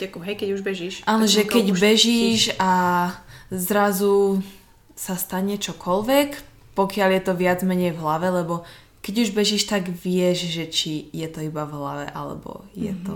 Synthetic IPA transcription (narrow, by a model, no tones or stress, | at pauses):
akɦɛjkɛɟuʒbɛʒiʃʔanɛʒɛkɛɟbɛʒiːʃa | zɾazu | sast̪aɲɛt͡ʃɔkʰɔlʋɛk | pɔkɪaljɛt̪ɔʋɪad͡zmɛɲɛjvɦlaʋɛlɛbɔ | kɛɟuʒbɛʒiːʃt̪aɡʋɪɛʒʒɛt͡ʃijɛt̪ɔibavɦla̰ʋɛ̰ʔa̰lɛ̰bɔ̰jɛ̰t̪ɔ